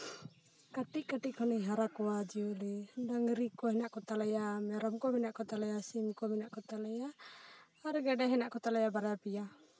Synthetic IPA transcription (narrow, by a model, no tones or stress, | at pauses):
kaʈiʔkaʈiʔkʰɔniɦaɾakɔwad͡ʒiuliɖaŋɾikɔɦɛnaʔkɔt̪alɛjamɛɾɔmkɔminaʔkɔt̪alɛjasimkɔminaʔkɔt̪alɛjaː | ɾɡɛɖɛɦɛnaʔkɔt̪alɛjabaɾapija